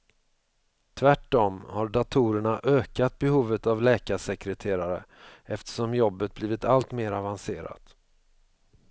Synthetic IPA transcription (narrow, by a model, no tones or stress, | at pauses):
t̪ʰvæʈːɔmhaɖat̪ʰuːɾəɳaʔøːkat̪̚bɛhuːvət̪avlɛːkaʂɛkɾɛt̪ʰeːɾaɾə̰ɛft̪ə̥ʂɔmjɔbːət̪̚bliːvɪt̪alt̪meːɾavanseːɾa̰t̪